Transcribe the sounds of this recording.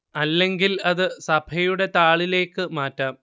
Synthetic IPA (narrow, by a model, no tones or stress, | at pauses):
ɐlːe̞ŋɡilɐðɨsɐbʰʱɐjuɽe̞t̪aːɭile̞ːkːɨmaːtːɐm